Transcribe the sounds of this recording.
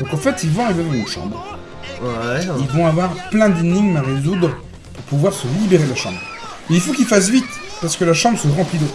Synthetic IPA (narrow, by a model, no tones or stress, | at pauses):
d̪ɔ̃kɑ̃fɛt̪ilvɔ̃ivavynʃɑ̰̃bʁ | ilvɔ̃avwaʁplɛ̃d̪iniɡmaʁezud̪ʁ | puʁpuvwaʁsəlibeʁelaʃɑ̰̃bʁ | meilfokilfas̬vit̪paʁsə̥kəlaʃɑ̃bʁəsəʁɑ̃plid̪ot̪